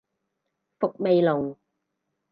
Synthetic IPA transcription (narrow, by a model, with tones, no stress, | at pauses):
fʊ˨k̚me˨jlʊ˨˩ŋ